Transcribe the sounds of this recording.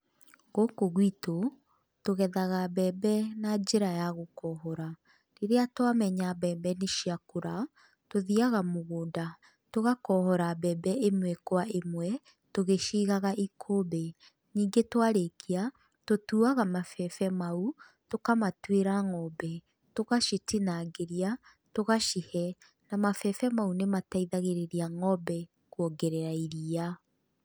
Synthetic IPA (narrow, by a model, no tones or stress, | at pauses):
ɣokoɣwito | toɣɛðaɣabɛːbɛnad͡ʒeɾajaɣokɔɦɔɾa | ɾeɾeatwamɛɲabɛːbɛneʃiakoɾa | toðiaɣamoɣoːnda | toɣakɔhɔɾabɛbɛʔemwɛkwaemwɛ | toɣeʃiːɣaɣaʔikʰobɛ | niːŋɡetwaɾekia | totuːaɣamafɛfɛmau | tokamatweɾaŋɔbɛ | toɣaʃitinaɡeɾia | toɣaʃihɛ | namafɛfɛmaunemataiðaɣeɾeɾiaŋɔbɛ | kwɔɡɛɾeɾaiɾia